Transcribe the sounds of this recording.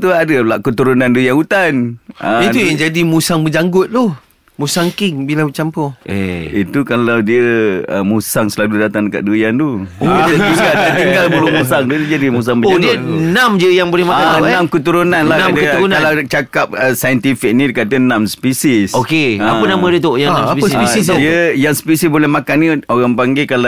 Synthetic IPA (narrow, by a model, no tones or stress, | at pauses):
t̪uadəlaʔkət̪uɾunãndəjaŋut̪anʔə̃it̪ujaŋd͡ʒadimusaŋbəd͡ʒaŋɡʊt̪̚lɔ | musaŋkɪŋbilabət͡ʃampɔḛḭt̪ukalawdiəə̰musaŋsəlaludat̪aŋdəka̰t̪̚dəjant̪u | t̪iŋɡaldiat̪iŋɡalbəlumus̬aŋt̪uid͡ʒadimus̬aŋbəd͡ʒadiənãmd͡ʒəjaŋbolɛhmaakaãmkət̪uɾunanlaad̪ɾunalawt͡ʃakap̚əsajənt̪ifik̚nĩdkad̪ənãmsə̥pisisokeapənamãdiət̪ojaŋnãspiəspisisdiəjaŋsə̥pisisbolɛhmakanːioɣaŋpaŋɡekala